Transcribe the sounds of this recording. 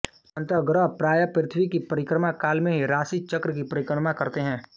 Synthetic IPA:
ɐ̃nt̪əɡɾəɦpɾaːjəpɾɪt̪ʰwikipɐɾɪkɾəmakaːlmẽɦiɾaːsit͡ʃɐkɾəkipɐɾɪkɾəmakɐɾt̪eɦɛ̃ː

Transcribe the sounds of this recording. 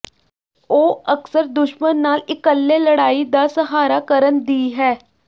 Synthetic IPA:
oːəksəɾd̪ʊʃmənːaːlɪkəlːeləɽaːid̪aːsəɦaːɾakəɾənd̪iːɦɛː

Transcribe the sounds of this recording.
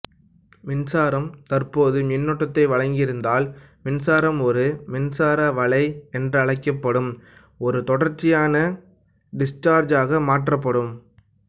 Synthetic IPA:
mɪnsaːɾɐmt̪ɐrpoːðɯmɪnːɔʈːɐt̪ːɐɪʋɐɻɐŋɡɪɾɯnd̪aːl | mɪnsaːɾɐmɔɾɯmɪnsaːɾaʋɐɭɐɪɛndrɯɐɭɐɪkːɐpːɐɽɯm | ɔɾɯt̪ɔɽɐɾt͡ʃːɪjaːnɐ | ɖɪsʈaːɾd͡ʒaːɣɐmaːʈrɐpːɐɽɯm

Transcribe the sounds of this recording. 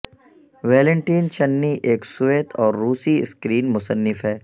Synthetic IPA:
ʋɛːlɛ̃ɳʈiːnt͡ʃɐnːiʔeːksʊʋeːt̪ʰɔːɾːuːsiɪ̰skɾiːnmʊsənːɪfɦɛː

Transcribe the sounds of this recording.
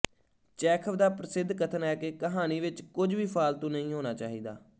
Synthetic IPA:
t͡ʃɛːkʰəʋd̪aːpɾəsɪd̪ʱːkət̪ʰənɛːkeːkəɦaːniːʋɪt͡ʃkʊd͡ʒʋiːpʰaːlt̪õːnəɦĩːɦoːnaːt͡ʃaːɦiːd̪a̰ː

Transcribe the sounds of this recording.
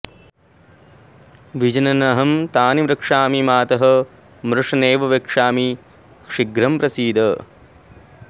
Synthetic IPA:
ʋid͡ʒɐnɐnɐɦɐmt̪aːnimɾɐkʂaːmimaːt̪ɐɦɐ̆ | mɾuʂɐneːʋɐʋɐkʂaːmi | kʂiɡɾɐmpɾɐsiːd̪ɐ

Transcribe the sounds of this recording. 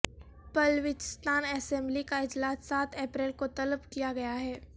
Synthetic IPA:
pɐlʋɪt͡ʃɪst̪aːnɛsɛ̃mblikaɪd͡ʒlaːsːaːt̪ʰɛːpɾɛːlkot̪ɐləbkijaɡɐjaɦɛː

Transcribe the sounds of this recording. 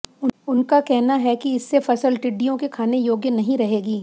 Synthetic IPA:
ʊʊnkakɛɦnaɦɛkiɪsːefɐsəlʈɪɖːijõkekʰaːnejoːɡjənɐɦĩɾɐɦeːɡiː

